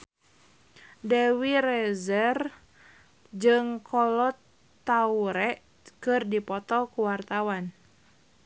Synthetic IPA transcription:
dɛwiɾɛzɛr | d͡ʒɨŋkʰɔlɔt̪ː | auɾɛʔ | kɨrdipɔt̪ɔkuwart̪awan

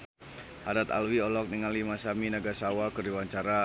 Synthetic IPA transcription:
hadat̪a̰lwiɔlɔk̚niŋalimasaminaɡasawakərdiwaɲt͡ʃaɾa

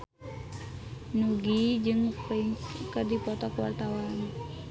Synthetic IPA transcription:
nuɡid͡ʒɨŋpəiŋkədipɔt̪ɔkəwart̪awan

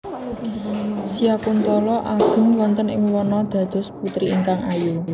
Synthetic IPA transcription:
sijakunt̪ɔlɔʔaɡ̥ə̤ŋwɔnt̪ənɪ̰ŋwɔnɔd̪̥ä̤d̪̥ɔ̤sput̪ɾiʔiŋkaŋaju

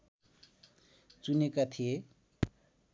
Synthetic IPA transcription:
t͡sunekat̪ʰije

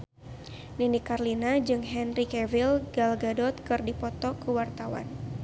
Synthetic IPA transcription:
ninikarlinad͡ʒɨŋɦɛnrikɛvilɡalɡadɔt̪̚kɨrdipɔt̪ɔkəwart̪awa̰n

